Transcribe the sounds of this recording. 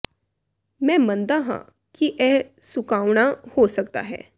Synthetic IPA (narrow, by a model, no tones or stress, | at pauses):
mɛ̃mənd̪aɦã̰ | kiːʔɛsukaʋɳahosəkt̪a̰ɦḛ̃